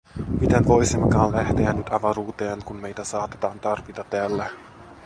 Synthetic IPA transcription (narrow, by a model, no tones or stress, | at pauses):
mit̪e̞nʋo̞jsimːekɑːnlæht̪eænːyt̪ɑʋɑɾuːt̪e̞ːŋkunme̞jt̪æsɑːt̪et̪ɑːnt̪ɑrʋit̪ɑt̪ːeælːæ